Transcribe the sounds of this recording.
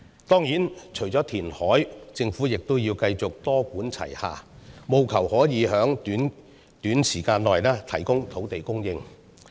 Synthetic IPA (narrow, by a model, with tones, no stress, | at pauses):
t̪ɔː˥ŋjiː˨˥nt͡ʃʰɵ˨˩jt͡sɔː˨˥t̪ʰiː˨˩nhɔː˨˥jt͡sɪ˧ŋfuː˨˥jɪ˨k̚t̪ʊ˥wjiː˧wkɐ˧jt͡sʊ˨k̚t̪ɔː˥kuː˨˥nt͡sʰɐ̰˨˩jha̰ː˨˩mo˨˧wkʰɐ˨˩whɔː˨˥jiː˨˧ɦœː˨˥ŋt̪yː˨˥n | t̪yː˨˥nsiː˨˩kaː˧nlɔː˨jlɛː˥t̪ʰɐ˨˩jkʊ˥ŋt̪ʰo˨˥wt̪e˨jkʊ˥ŋjɪ˧ŋ